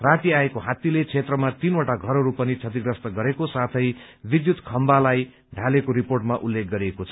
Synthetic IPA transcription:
rat̪iaekoɦat̪ilet͡sʰet̪rʌmat̪inoʈaɡʱʌɾoɾupʌnit͡sʰʌt̪iɡrʌst̪ʌɡʌɾekosat̪ʰʌj | bid̪jut̪kʰʌmbalaj | ɖʱalekoɾiporʈmaʔulːek̚ɡʌɾiekot͡sʰʌ

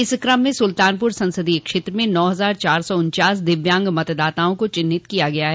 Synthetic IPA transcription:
ɪskɾɐmːẽsʊlt̪aːnpʊɾsɐ̃nsəd̪iekʃeːt̪ɾəmẽnɔːɦɐzaːɾt͡ʃaːɾsɔʊnt͡ʃaːsd̪ɪʋjãːŋɡmɐt̪d̪aːt̪aːõkot͡ʃɪnːɪtt̪kijaɡɐjaɦɛ

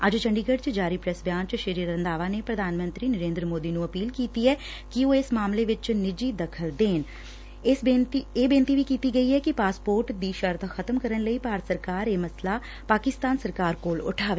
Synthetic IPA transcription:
əd͡ʒt͡ʃəɳɖiːɡəɖt͡ʃd͡ʒaːɾiːpɾɛsbjaːnt͡ʃʃəɾiːəɾənd̪aːʋaːnepɾəd̪ʱaːnmə̃nt̪ɾiːnəɾẽːnd̪ɾəmoːd̪iːnũːəpiːlkiːt̪iːɛː | kɪoːɪsmaːmleːʋɪt͡ʃnɪd͡ʒiːd̪əkʰəld̪eːn | ɪset̪ieːbeːnt̪iːʋiːkiːt̪iːɡəiːɛːkɪpaːspoːɾʈd̪iːʃəɾt̪ʰxʰət̪əmkəɾənləiːpaːɾət̪səɾkaːɾeːməslaː | paːkɪst̪aːnsəɾkaːɾkoːlʊ̰ʈʰaːʋeː

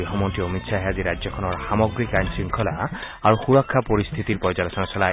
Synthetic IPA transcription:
iɦɔmɔnt̪iɔmit̪saɦeaziɾad͡ʒjɔkʰɔnɔɾsamɔɡɾikaɲsiŋkʰɔla | aɾuxuɾɔkʰːapɔɾist̪ʰit̪iɾpɔjd͡ʒalɔsɔnɔsɔla

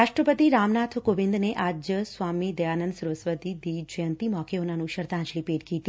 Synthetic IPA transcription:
ɾaːʃʈɾəpət̪iɾaːmnaːt̪ʰkoːʋɪ̃nd̪neʔaːd͡ʒəsʋaːmid̪ɐjaːnə̃nd̪sɾʋəsʋəd̪id̪id͡ʒəjənt̪imɔːkeonanũʃɐɾd̪ãːnt͡ʃlipeːʈkiːt̪i

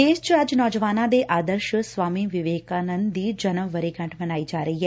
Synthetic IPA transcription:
eːst͡ʃəd͡ʒnɔːd͡ʒəʋaːnãːd̪eːʔaːd̪əɾʃsʋaːmiːʋɪʋeːkaːnənd̪iːd͡ʒənəʋːəɾeːkə̃ɳʈʰmənaːiːd͡ʒaːɾəiːɦɛː

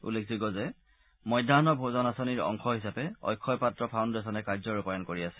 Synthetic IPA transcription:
ṵlekʰziɡɔzɛ | mɔjdʱanɔbʱozɔnasoniɹɔ̰ŋxɔɦisapɛɔ̰jkʰːɔjpatɹɔpʰawndɛs̬ɔnɛkaɹzɔɹupajɔnkoɹiasɛ̥

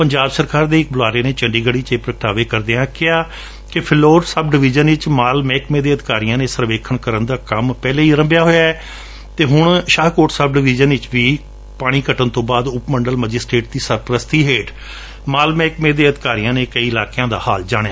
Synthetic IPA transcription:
pəɲd͡ʒaːbsəɾkaːɾd̪eːɪk̚bəlaːɾeːneːt͡ʃəɳɖiːɡəɽiːt͡ʃeːpɾəkəʈaːʋeːkəɾd̪eːãːkɪaː | kɪpʰɪloːɾsəbɖɪʋɪd͡ʒənʋɪt͡ʃmaːlmɛːkmẽːd̪eːəd̪kaːɾijãːneːsəɾʋeːkʰəɳkəɾənd̪aːkəmpɛːleːiːɾə̃mbjaːɦoːjaːɛː | t̪eːɦʊɳʃaːɦkoːʈsəb̚ɖɪʋɪːd͡ʒənʋɪt͡ʃʋiː | paːɽ̃iːkəʈənt̪õːbaːd̪ʊpməɳɖəlməd͡ʒɪsʈɾeːʈ̚d̪iːsəɾpɾəst̪iːɦeːʈ | maːlmɛ̃ːkmẽːd̪eːəd̪ɪkaːɾijãːneːkəiːɪlaːkeãːd̪a̰ːhaːld͡ʒaːɽ̃aː

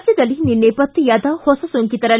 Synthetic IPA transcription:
sjɐd̪ɐlininːepɐt̪ːijɐd̪ɐhosɐsuŋkit̪ɐɾɐ

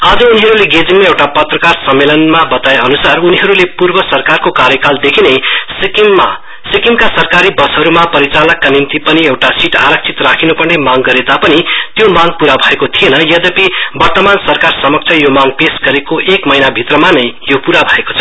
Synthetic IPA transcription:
ʌd͡zʌuniɦʌɾuleɡed͡ziŋmaewʈapʌt̪rʌkarsʌmːelʌnmabʌt̪aeʌnusaruniɦʌɾulepurbʌsʌrkarkokaɾjʌkald̪ekʰinejs | sikiŋkasʌrkaɾibʌsɦʌɾumapʌɾit͡salʌkːanimt̪ipʌniewʈasiʈa̰ɾʌk̚t͡sʰit̪rakʰinopʌrnemaŋɡʌɾet̪apʌnit̪jomaɡ̚puɾabʱʌekot̪ʰienʌjʌd̪ʌpibʌrt̪ʌmansʌrkarsʌmʌk̚t͡sʰʌjomaɡpesɡʌɾekoʔekmʌjnabʱit̪rʌmanʌjjopuɾabʱʌeko̥t͡sʰʌ̥

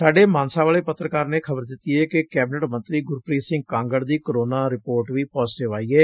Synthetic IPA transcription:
saːɖeːmaːnsãːʋaːleːpət̪ːɾəkaːɾneːkʰəbəɾd̪ɪt̪ːiːɛːkɪkɛːbɪnəʈmə̃nt̪ɾiːɡʊɾpɾiːsɪ̃ŋɡ̚kãːŋɡəɽd̪iːkəɾoːnaːɾɪpoːɾʈʋiːpɔːzʈɪʋaːiːɛː

